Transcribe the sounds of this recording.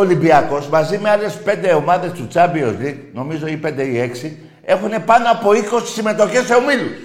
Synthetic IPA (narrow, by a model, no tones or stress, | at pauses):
olibiakosmazimealesped̪eomaðet͡ʃut͡ʃabiozɾiknomizoiped̪eieksi | exunepanoapoikossimet̪okeseumilus